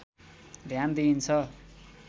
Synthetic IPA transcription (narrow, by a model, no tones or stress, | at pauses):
d̪ʱjand̪int͡sʰʌ